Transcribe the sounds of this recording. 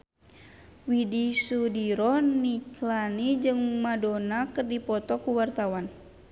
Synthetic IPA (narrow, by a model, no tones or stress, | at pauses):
widisudiɾɔniklanid͡ʒɨŋmadonakɨrdipɔt̪ɔkuwart̪awan